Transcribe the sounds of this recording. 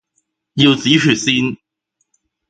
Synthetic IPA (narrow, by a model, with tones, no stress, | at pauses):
ji˧wt͡siː˨˥t͡ʃʰyː˨˩siː˥n